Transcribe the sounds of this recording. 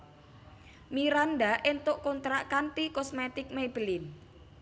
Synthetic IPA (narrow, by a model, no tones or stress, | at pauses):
miɾanɖaʔent̪ʊʔkɔnt̪ɾaʔkant̪ikɔsmet̪ɪk̚meb̥əlɪn